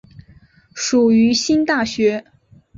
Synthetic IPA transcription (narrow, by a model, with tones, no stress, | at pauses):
ʂu˨˩y˧˥ɕi˥nt̪a˥˩ɕɥɛ˧˥